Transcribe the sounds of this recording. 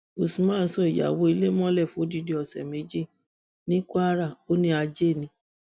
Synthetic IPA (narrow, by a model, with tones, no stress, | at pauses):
o˨sĩ˨mãː˦˨˦sɔ̃˦i˨ja̰˨wo˨˦i˧le˦mɔ̃˦lɛ˦˨fũ˨˦o˦di˨˧˦di˧˦ɔ˨sɛ̰˨me˨˦d͡ʒi˦˨ | nĩ˦ka˦a˦ɾa˦˨o˦nĩ˦a˧d͡ʒe˦˨nĩ˧˦